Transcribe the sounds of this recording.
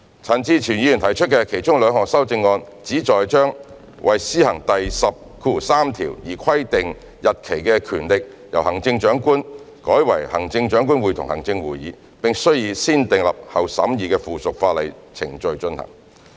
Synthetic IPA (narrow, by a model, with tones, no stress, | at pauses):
t͡sʰɐ˨˩nt͡siː˧t͡ʃʰiy˨˩ni˨˧jy˨˩nt̪ʰɐ˨˩jt͡ʃʰt̚kɛː˧kʰe˨˩jt͡ʃʊ˥ŋlœː˨˧ŋhɔː˨˩ŋsɐ˥wt͡sɪ˧ŋːɔː˧n | t͡siː˨˥t͡ʃɔː˨jt͡ʃœː˥ŋ | wʔɐ˨jsiː˥hɐ˨˩ŋt̪ɐ˨jsɐ˨p̚kʰuː˧˩saː˥mt̪ʰiː˨˩wjiː˨˩kʰɐ˥jt̪ɪ˨ŋ | jɐ˨t̚kʰe˨˩jkɛ˧kʰyː˨˩nlɪ˨k̚ | jɐ˨˩whɐ˨˩ŋt͡sɪ˧ŋt͡ʃœː˨˥ŋkuː˥n | kɔː˨˥jwɐ˨˩jhɐ̰˨˩ŋt͡sɪ˧ŋt͡ʃœː˨˥ŋkuː˥nwuː˨˧jt̪ʰʊ˨ŋhɐ˨˩ŋt͡sɪ˧ŋwuː˨jiː˨˧˥ | pɪ˨ŋsɵ˥ɥjiː˧siː˥nt̪ɪ˨ŋlɐ̰˨p̚hɐ˨˩wsɐ̰˨˥mjiː˨˧kɛː˧fuː˨˩sʊ˨k̚faː˧lɐ˨jt͡sʰɪ̰˨˩ŋt͡ʃɵ˨˧ɥt͡ʃɵ˧nhɐ̰˨˩ŋ